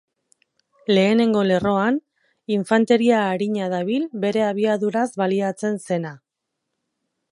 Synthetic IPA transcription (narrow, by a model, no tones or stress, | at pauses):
le̞ːne̞ŋɡo̞le̞ro̞an | iɱfant̪e̞ɾiaːɾiɲaðaβ̞ilbe̞ɾe̞aβ̞iaðuɾazβaliat͡se̞nse̞na